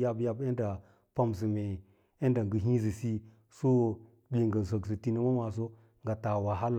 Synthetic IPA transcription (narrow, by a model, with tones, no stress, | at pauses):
ja˦bja˦be˦n˦da˨ | pa˦ms̬i˨me˨ | e˦nda˨ŋɡə˨ɦĩ˦z̬i˨si˦ | so˦ | ɓʲe˨ŋɡa˨n˨z̬o˨ɡs̬i˨ti˦ni˦ma˦wa˨s̬o˦ | ŋɡa˨ta˨wa˨ɦa˦l